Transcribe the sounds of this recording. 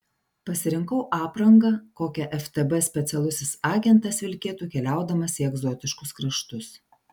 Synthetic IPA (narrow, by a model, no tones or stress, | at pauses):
pɐsʲɪɾʲɪŋkɐʊʔɑːpɾɐŋɡɐkoːkʲɛʔɛft̪ɛbɛsʲpʲɛt̪sʲɛlˠʊsʲɪsɑːɡʲɛnt̪ɐsʋʲɪlʲkʲeːt̪uːkʲɛlʲæˑʊd̪ɐmɐsʲɪɛɡzɔt̪ʲɪʃkʊskɾɐʃt̪ʊs